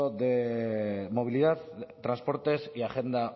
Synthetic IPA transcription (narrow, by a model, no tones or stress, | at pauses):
oðe | mo̞β̞iliðaðt̪ːɾanspo̞ɾt̪e̞siaχe̞nd̪a